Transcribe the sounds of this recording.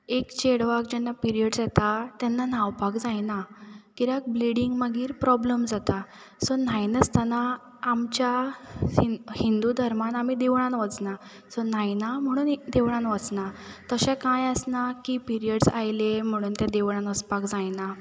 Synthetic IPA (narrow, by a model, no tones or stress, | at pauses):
ekt͡ɕeɽʋakd͡ʑɛnːapiɾijəɽsjɛt̪at̪ɛnːanaʋpakd͡zajnakiɾak̚bliɽiŋɡməɡiːɾpɾɔbləmd͡zat̪a | sɔn̤ajnəst̪anaː | mt͡ɕjaihind̪ud̪ʱəɾmanamid̪eʋɳ̃ãnʋət͡sna | sɔn̤ajnam̤əɽ̃uːnd̪eʋɽãnʋət͡snat̪əɕɛ̃kãjəsnakipiɾijəɽsajlem̤əɽ̃uːnt̪ad̪eʋɽ̃ãnəspakd͡zajna